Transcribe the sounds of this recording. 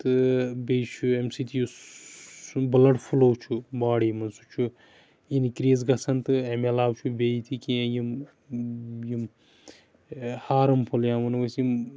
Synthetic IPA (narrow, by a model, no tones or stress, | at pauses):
t̪ɨbejt͡ʃʰuemsit̪ʰiju | bɨlɐɽfʰuloːwt͡ʃʰubaːɽiːmɐnsut͡ʃʰu | inikɾiːzɡɐsɐnt̪ɨemelaːwt͡ʃʰubeit̪ʰikiẽjim | jim | haːɾɐmpʰuljaːmɐnʋɐsim